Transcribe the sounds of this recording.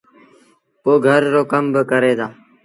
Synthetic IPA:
poːɡʱəɾːoːkəmbəkəɾeːd̪aː

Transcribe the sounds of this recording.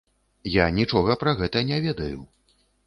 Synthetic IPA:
janʲit͡ʂɔɣɐpɾɐɣɛt̪ɐnʲɛvʲɛd̪ɐjṵ

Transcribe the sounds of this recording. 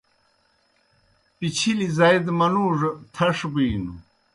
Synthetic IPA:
pit͡ɕʰilizɐjd̪mɐnuːʐt̪ʰɐʂbiːnṵ

